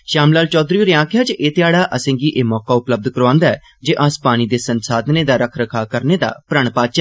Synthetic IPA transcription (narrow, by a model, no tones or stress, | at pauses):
ʃaːmlaːlt͡ʃɔːd̪ɾiːoːɾɪãːkʰjaːt͡ʃʔeːt̪ɪjaːɽaːʔəsẽːŋɡiːʔeːmɔːkaːʊpləb̚d̪kəɾãːnd̪aːɛː | d͡ʒeːʔaːspaːɽ̃iːd̪eːsənsaːd̪neːd̪aːɾəkʰɾəkʰaːkəɾneːd̪a̰ːpɾəɳpaːt͡ʃɛː